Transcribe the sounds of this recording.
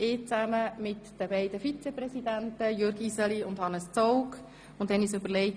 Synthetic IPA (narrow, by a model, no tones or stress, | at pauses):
ɪːt͡sæməmɪt̪d̥əbɛɪd̪əfit͡sɛprɛsid̪ænt̪əjøɾɡisəliʊnd̥̪hɑnəst͡sɔʊk | ʊndɛnisʉbəɾlɛɪ